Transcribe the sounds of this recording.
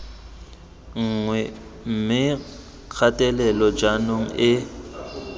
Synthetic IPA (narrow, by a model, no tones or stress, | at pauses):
ŋ̩ŋwɛm̩mɪ | kʰatʼɛlɛlɔd͡ʒanoŋ̩ʔɪ